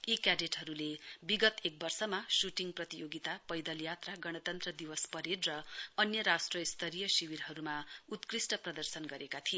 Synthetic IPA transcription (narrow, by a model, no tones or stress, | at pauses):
ikaɖeʈɦʌɾulebiɡʌt̪ek̚bʌrsʌmasuʈiŋprʌt̪ijoɡit̪apʌjd̪ʌljat̪raɡʌɽ̃ʌt̪ʌnt̪rʌd̪iwʌspʌɾedrʌʌnjʌɾasʈrʌist̪ʌɾijʌsiwiɾɦʌɾumaut̪krisʈʌprʌd̪ʌrsʌnɡʌɾekat̪ʰie